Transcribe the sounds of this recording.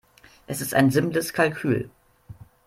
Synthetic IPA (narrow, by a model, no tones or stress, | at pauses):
ʔɛsɪsta̰ɪnzɪmpləskʰalkʰyːl